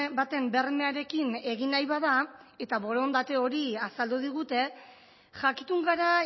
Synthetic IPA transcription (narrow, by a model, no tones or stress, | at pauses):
bat̪e̞mbe̞rme̞aɾe̞kine̞ɣinajβað̞ae̞t̪aβo̞ɾo̞nd̪at̪e̞o̞ɾiasald̪uð̞iɣ̞ut̪e̞ | ʝakit̪uŋɡaɾa